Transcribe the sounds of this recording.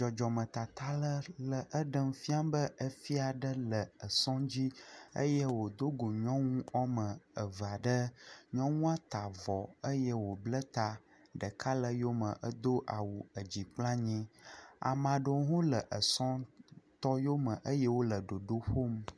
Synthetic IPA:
d͡ʒɔ˨d͡ʒɔ˨mə̃˨t̪a˨t̪a˦lə˦lə˨ʔə˦ɖə˦m˦fi˦a˦bə˦ʔə˦fi˦a˨ɖə˦lə˨ə˨sɔ̃˦d͡ʑi˦ə̰˦jɛ˦wo˨d̪o˦ɡo˨ɲɔ̃˦ŋũ˦ɔ˦mə̃˨ə˨va˨ɖə˦ɲɔ̃˦ŋũ˦a˦t̪a˨vɔ˨ə˦jɛ˦wo˨blə˦t̪a˦ | ɖə˨ka˦lə˦jo˦mə̃˨ʔə˦d̪o˦ʔa˨wu˨ə˨d͡ʑi˨k͡plã˦ɲɛ̃˦a̰˨mã˨ɖo˨˦ɦõ˦lə˨ʔə˨sɔ̃˦t̪ɔ˦jo˦mə̃˨ʔə˦jɛ˦wo˦lə˨ɖo˨ɖo˦ɸo˦m

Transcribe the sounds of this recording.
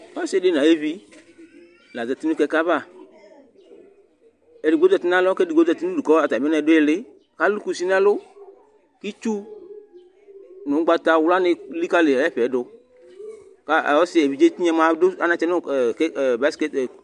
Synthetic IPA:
ɔ˦sɪ˦˨de˦n˨ã˨je˦vi˦ | la˨za˨ti˦nũ˦kɛ˧ka˦βa˦˨ | e˨ɾi˨ɡ͡bo˦zɔ˨t̪i˦nã˦lɔ˦kɛ˦di˨ɡ͡bo˦dɔ˨ti˦nu˦du˨kɔ˦a˨ta˨m˦ɛ˦ɛ˧˨dʊ˦e˦lɪ˦ | ka˦lu˦ku˨si˦nã˦lʊ˦ | ki˦t͡ʃu˦ | nʊ̃˨˦ɡ͡ba˧t̪a˨wʊ˦la˦nɪ˧li˦ka˦lɪ˨ɛ˦ɸɛ˨˦dʊ˧ | ka˦˨ɔ˦sɪ˨e˨vi˨d͡ʒe˦ti˦ɲɛ˦mã˨˦dʊ˦a˨˦nã˨t͡ʃɛ˦nʊ˦˨kba˦ske˦˨

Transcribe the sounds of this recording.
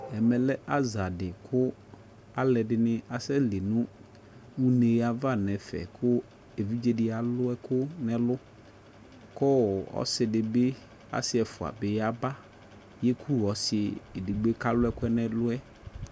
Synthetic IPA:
ɛ˨mɛ̃˨lɛ˦ʔa˦za˨dɪ˨kʰʊ˦ | a˦lɛ˨ɖɪ˨nɪ̃˦a˨sɛ˦lɪ˨nũ˦ | wu˦ne˨˦a˨va˦˨nɛ̃˨fɛ̰˨kʰʊ˦ | e˨vi˦d͡ʒe˦dɪ˦a˨lʊ˦ɛ˦kʊ˦nɛ̃˨lʊ˦ | kɔ˦˨ɔ̰˦sɪ˨dɪ˨be˦ | a̰˨sɪ˦ɛ˨fʊ˨a̰˨bɪ˨ja˦ba˦ | jɛ˦kʰu˦˨ɔ˨sɪ˨e˨di˨ɡ͡be˦ka˦lʊ˦ɛ˦kʊ˦ɛ˦nɛ̃˨lʊ˦ɛ˦

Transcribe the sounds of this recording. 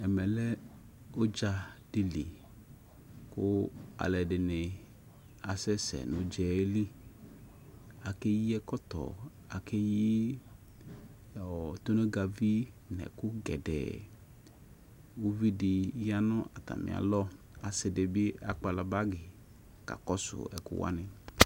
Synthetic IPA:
ɛ˨mɛ˨lɛ˦ | o˦d͡ʒa˧d̥i˨lḭ˨ | kʊ˦a̰˨lɛ˨dɪ˨nɪ˨ | a˨sɛ˦sɛ̰˨nʊ̃˨d͡ʒɛ˨˦li˦ | a˨ke˦ji˦ɛ˦kɔ˦t̪ɔ̰˨ | a˨ke˦ji˦ | ɔ˨t̪o˦ne˦ɡa˨vi˦ | nɛ̰˨kʊ˦ɡɛ˨dɛ̰˨ | wo˦vi˦dɪ˨˦ja˦nɔ̃˦ʔa˨t̪a̰˨mɪ̰˨a̰˨lɔ˦ | a˨sɪ˨dɪ˨bɪ˦a˨k͡pa˨la˨ba˦ɡɪ˨ | ka̰˨kɔ˦sʊ̰˨ɛ̰˨kʊ̰˦wa̰˦nɪ˨

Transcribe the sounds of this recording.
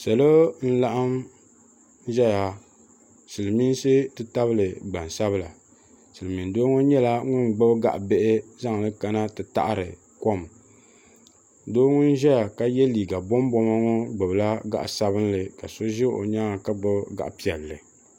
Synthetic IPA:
sɛ˨lo˦n̩˦la˦ʔa˦m˦ | ʒɛ˦ja˨ | sɨ˨lɨ˨mi˦n˦sɨ˦tɨ˦ta˦βɨ˦lɨ˨ɡ͡ba˨n˨sa˦βɨ˦la˨ | sɨ˨lɨ˨mi˨n˨doː˦ŋo˦ɲɛ˦la˦ŋʊ˦nɡ͡bɨ˦bɡa̰˨ʔbe˦ʔɪ˦za˦ŋ˨lɨ˦ka˨na˦tɨ˨ta̰˦ʔa˦ɾɨ˨ | ko˦m | doː˦ŋʊ˦n˦ʒɛ˦ja˨ka˦jɛ˦liː˨ɡa˨bɔ˦m˦bɔ˦ma˦ŋo˦ɡ͡bɨ˨bla˦ɡa̰˨ʔsa˦bɨ˦n˦lɨ˨ka˨so˦ʒɪ˦ʔo̰˨ɲaː˦˨ka˦ɡ͡bɨ˦bɡa̰˨ʔpi˦˨ɛ˨lːɨ˨

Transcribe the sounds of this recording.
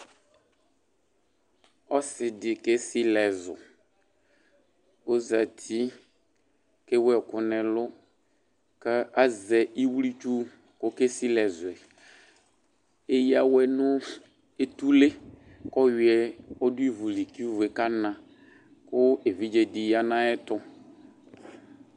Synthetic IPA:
ɔ˦sɪ˨dɪ˨ke˦sɪ˦lɛ˨zʊ̰˨ | o˦za˨t̪ʰi˦ | ke˦wɛ˨kʊ˦nɛ̃˨lʊ˦ | kɛ˦a˦zɛ˨i˦wli˦t͡ʃu˦ | kʊ˦ke˦si˦lɛ˨zʊ˨ɛ˨ | e˦ja˨wɛ˨nʊ̃˦ | e˨t̪u˦le˦ | kɔ˦jɪ˨ɛ˨ɔ˦dʊ˦i˦vu˨li˨ki˦vʊ˨ɛ˨ka˦nã˨ | kʊ˦e˨vi˦d͡ʒe˨dɪ˨ja˦nã˦ɛ˦t̪ɔ˦

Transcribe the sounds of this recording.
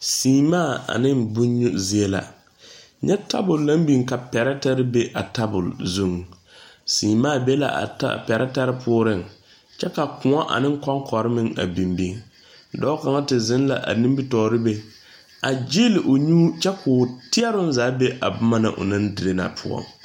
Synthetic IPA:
siː˨maː˦˨a̰˨nɪ˦mbu˦u˦zi˦e˦la̰˨ | ɲʔɛ˦ta˦bʊ˨lːa˦m˦bi˦˨ŋka˨pɛ˨ɾɛ˦ta˦ɾɪ˦be˦ʔa˨ta˦bʊ̰˨lzu˦˨ŋ | siː˨maː˦˨be˦la̰˨ʔa̰˨ta̰˦pɛ˨ɾɛ˦ta˦ɾɪ˦pʰʊː˦ɾɪ˦˨ŋ | t͡ʃɛ˦ka˨kʊ˨ŋɔ˦ʔa̰˨nɪ˦ŋ˦kɔ˦ŋkʰɔ˨ɾɪ˦mɪ˦ŋa̰˨bi˨mbi˦ŋ | dɔ˦ka˨ŋa˦tɪ˨zɪ˦n˦la̰˨ʔa̰˨nĩ˦mbi˦tɔː˨ɾɪ˦be˦ | a˨d͡ʒi˦lɪ˨ʔʊ˨ɲuː˦t͡ʃɛ˦kʰʊː˨tɪ˦ɛ˦ɾʊ˦n˦zaː˨˦be˦ʔa˨bʊ˦ma˦na̰˨ʔʊ̰˨na˦ndɪ˨ɾe˦na̰˨pʰʊ˦ɔ̰˦˨ŋ

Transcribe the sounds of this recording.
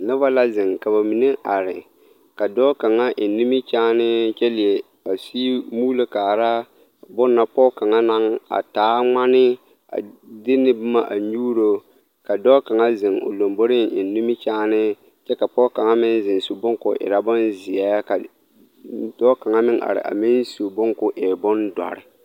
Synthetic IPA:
nɪ˦ba˦la˦zɪ˨ŋka˨ba˨mi˨ne˦ʔa˨ɾɪ̰˨ | ka˨dɔː˦ka˨ŋa˦ʔɪ˨nː˨˦i˦mɪ˦t͡ʃaː˦nɪ˦t͡ʃɛ˦lɪ˨e˨ | a˨si˦muː˦lo˦kaː˨ɾa˦ | bʊ˦nːa˦pɔ˦ka˨ŋa˦na˦ŋa̰˨taː˨˦ŋ͡ma˦nɪ˦ | a̰˨dɪ˦nɪ˦bʊ˦ma˦ʔa˨ɲuː˦ɾo˦ | ka˨dɔː˦ka˨ŋa˦zɪ˨ŋʊ̰˨lo˨mbo˦ɾɪ˦ŋɪ˨nː˦u˦mɪ˦t͡ʃaː˦nɪ˦ | t͡ʃɛ˦ka˨pɔ˦ka˨ŋa˦mɪ˦nzɪ˨nsu˨bʊ˦ŋkʊ˨ʔɪ̰˨ɾa˨bʊ˦nzɪ˨a˦ka˨ | dɔ˦ka˨ŋa˦mɪ˦ŋʔa̰˨ɾɪ̰˨ʔa̰˨mɪ˦nsu˨bʊ˦ŋkʊ˦ʔɪ˨ɾbʊ˦ndɔ̰˨ɾɪ̰˨

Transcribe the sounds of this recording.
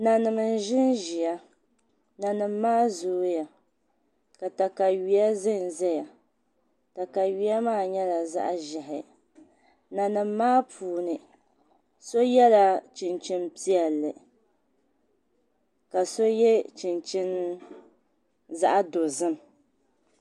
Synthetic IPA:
na˨nɨ˨mɨ˨n˨ʒɪ˦nʒi˨a˦ | na˨nɨ˨mː˦aː˦zoː˦ja˨ | ka˨ta˨ka˨ɥi˨a˦zɨ˦˨nzɛ˦ja˨ | ta˨ka˨ɥi˨a˦maː˦˨ɲɛ˦la˨za̰˦ʔʒɪ˨ɦɪ̰˨ | na˨nɨ˨mːaː˦pʰuː˨nɨ˨ | so˦jɛ˦la˨t͡ʃi˨nt͡ʃɪ˦npi˦ɛ˨lːɨ˨ | ka˨so˦jɛ˦t͡ʃi˨nt͡ʃi˦n | za̰˦ʔa˦do˨zɨ˦m˨

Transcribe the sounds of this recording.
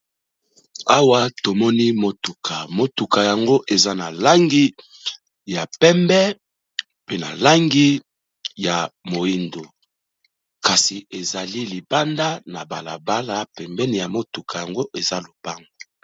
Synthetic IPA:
a˦wa˦to˨mɔ˦ni˦mo˨tu˨kʰa˨mo˨tu˨ka˨ja˨ŋɡo˦ʔe˨za˦na˨la˦ŋɡi˦ | ja˨pɛ˦mbɛ˦ | pe˦na̰˨la˦ŋɡi˦ | ja˨mo˨i˦ndo˨ | ka˨si˨e˨za˨li˦li˨ba˦nda˦na˨ba˨la˨ba˦la˦pɛ˨mbɛ˦ni˨ja˨mo˦tu˨kʰa˨ja˨ŋɡo˦ʔe˨za˦lo˨ba˦ŋɡo˨

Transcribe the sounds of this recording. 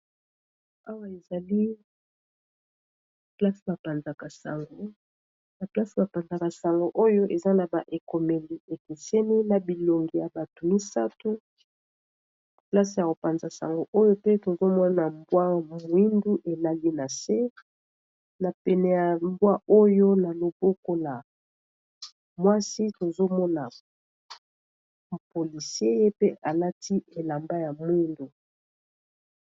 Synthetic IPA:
a˦wa˦e˨za˨li˦ | pla˦sba˨pa˨nza˨ka˨sa̰˨ŋɡo˦ | na˨pla˦si˨ba˨pa˨nza˨ka˨sa˨ŋɡo˨ʔo˦jo˦ʔe˨za˦na˨ba˨ʔe˨ko˨me˨li˨e˨ki˨sɛ˦ni˦na˨bi˨lo˨ŋɡi˨ja˨ba˨tu˨mi˦sa˦tu˦ | pla˦si˨ja˨ko˨pa˨nza˨sa̰˨ŋɡo˦ʔo˦jo˦pe˦to˨zo˦mɔ˦na˨mbwa˦mu˨˦i˦ndu˦ʔe˨la˦li˦na˨se˦ | na˨pɛ˨nɛ˨ja˨mbwa˦o˦jo˦na˨lo˨bo˦ko˦la˨ | mwa˦si˦to˨zo˦mɔ˦na˨ | po˨li˨si˦e˦je˦pe˦ʔa˨la˦tʰi˦e˨la˨mba˦ja˨mwi˦ndu˨

